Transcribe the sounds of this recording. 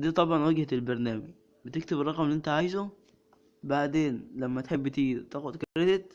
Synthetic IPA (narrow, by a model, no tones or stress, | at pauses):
d̪iːt̪ˤɑbʕɑnweɡhæt̪elbɑɾˤnæːmɪɡ | bet̪ek̚t̪eberˤːɑɣmliʔent̪æʕaːjzo | baʕd̪eːnlæmːæt̪ħebːet̪iːɾt̪æːxod̪kæɾːed̪et̪